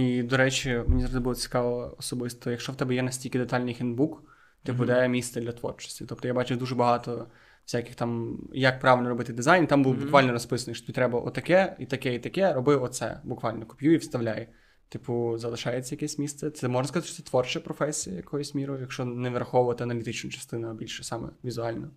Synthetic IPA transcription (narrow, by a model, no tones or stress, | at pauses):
id̪ɔɾɛt͡ʃimenʲizɾɔd̪ɪbulˠɔt͡sʲi̥kɑlˠɔɔsɔbɪst̪ɔjɐkʃt͡ʃɔwt̪ɛbɛjɛnɐsʲtʲilʲkɪd̪et̪ɑlʲnɪjxɛnd̪̚buk | t̪ɪpʊd̪ɛmʲisɐd̪lʲɐt̪ʋɔ̰rt͡ʃɔ̥sʲtʲi̥t̪ɔp̚t̪ɔjabɑt͡ʃʊwd̪uʒɛbɐɦɑt̪ɔ | wsʲakɪxt̪ɑmjɐk̚pɾɑʋʲɪlʲnɔɾɔbɪt̪ɪd̪ɪzajnt̪ambulˠbʊkʋɑlʲnɔɾɔspɪsɐnɪjʃt͡ʃɔt̪ɪbʲit̪ɾɛbɐʔɔ̰t̪ɐkɛit̪ɐkɛit̪ɐkɛɾɔbɪɔt̪sɛ̰bʊkʋɑlʲnɔkʊ̥pʲjuiwst̪ɐʋlʲaj | t̪ɪpʊzɐlˠɪʃɑjet͡sʲɐjɐkʲɛsʲmʲist̪sɛt̪sɛmɔʒnɐs̬kzɑt̪ɪʃt͡ʃɔɛt̪ʋɔrt͡ʃɛpɾɔfɛsʲijɐjɐkɔjɔsʲmʲiɾʊjjɐkʃt͡ʃɔneʋeɾɐxɔʋʊʋɐt̪ɪɐnɐlʲit̪ɪt͡ʃnʊt͡ʃɐ̥st̪ɪnʊɐbʲilʲʃɛsɑmɛ̰ʋʲizʊɑlʲnɔ